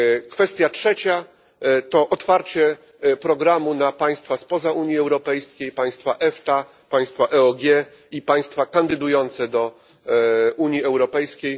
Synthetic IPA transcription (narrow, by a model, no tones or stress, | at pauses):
kfɛst̪ʲjatʂɛt͡ɕa | t̪ɔʔɔt̪faɾt͡ɕɛ | pɾɔɡɾamunapaj̃st̪faspɔzaʔuɲjiɛwɾɔpɛjskʲejpaj̃st̪faʔɛft̪a | paj̃st̪faʔɛɔɡʲjɛ | ipaj̃st̪fakand̪ɘd̪ujɔnt̪sɛd̪ɔ | uɲjiɛwɾɔpɛjskʲej